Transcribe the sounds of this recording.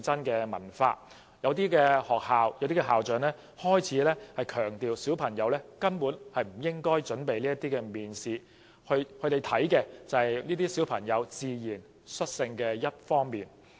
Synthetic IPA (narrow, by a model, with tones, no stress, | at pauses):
t͡sɐ˥nkɛː˧mɐ̰˨˩nfa̰ː˧ | jɐ˨˧wt̪̬iː˥kɛː˧hɔː˨k̚haː˨wjwt̪iː˥kɛ˧ɦaː˨wt͡sœː˨ŋlɛː˥ | hɔː˥jt͡sʰiː˨˥lɛː˥hɐ˨jkʰœː˨˩ŋt̪iː˨wsiː˨˥wpʰɐ˨˩ŋjɐ˨˧˥wlɛː˥kɐ˥npuː˨˥nhɐ˨jm̩˨˩jɪ˥ŋkɔː˥jt͡ʃɵ˨˥npe˨jliː˥ɐ˥t̪ːiː˥kɛː˧miː˨nsiː˨˧ | hɵ˧ɥhʰɵ˨˧ɥt̪e˨jt̪ʰɐ˨˥jkɛː˧t͡sɐ˨˩hɐ˨jniː˥t̪iː˥si˨˥wpʰɐ˨˩ŋjɐ˨˧wt͡siː˨˧jiː˨˩n | sɵ˥t̚sɪ˧ŋkɛː˧jɐ˥t̚fɔː˥ŋmiː˨n